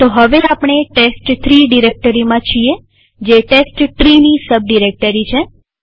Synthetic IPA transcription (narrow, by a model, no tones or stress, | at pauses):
t̪oɦəʋeapɳ̃eʈesʈt̪ʰɾiɖiɾek̚ʈəɾimãt͡ʃʰie | d͡ʒeʈesʈʈɾinisəb̚ɖiɾek̚ʈəɾit͡ʃʰe